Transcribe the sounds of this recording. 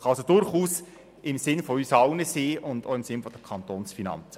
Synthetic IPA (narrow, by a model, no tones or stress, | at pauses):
χɑsod̥ʊɾχuːs | ɪmsɪnfoysɑwnəseːʔʊndo̰ːɪmsɪnfɔd̥əkʰɑnt̪oːnsfinɑ̰nt͡sə̥